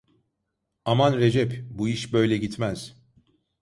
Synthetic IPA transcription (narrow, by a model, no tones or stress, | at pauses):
amanɾed͡ʒɛpbuiʃbø̞jlʲɛɟit̪mæz̥